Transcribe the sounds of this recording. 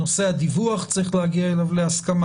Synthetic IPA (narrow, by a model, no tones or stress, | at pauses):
osead̪ivuaχt͡sɾiχleaɡiaɛlavleaskama